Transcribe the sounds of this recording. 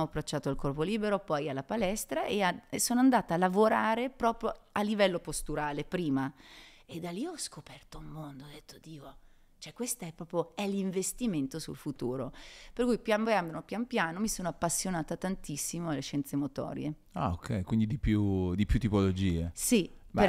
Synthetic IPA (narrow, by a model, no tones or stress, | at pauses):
oapːɾat͡ʃːaːt̪oalkɔrpoliːbeɾopɔjalːapalɛst̪ɾaʔeasoːnoand̪aːt̪aːlːavoɾaːɾepɾɔːpɾjoalːivɛlːopost̪uɾaːlepɾiːmaed̪ːaliɔskopɛrt̪oulmond̪od̪ːet̪ʰːod̪iːo | t͡ʃoɛkːwest̪aɛpːɾɔːpɾjoɛliɱvest̪iment̪osṵlfut̪uːɾoperkujpjampjambopjanpjaːnomisoːnoapːasːjonaːt̪at̪ant̪isːimoalːeʃɛnt̪semot̪ɔ̰ːɾj̰ḛ | a̰okʰɛ̰jkwind̪id̪ipjud̪ipjut̪ːipolod͡ʒiːesie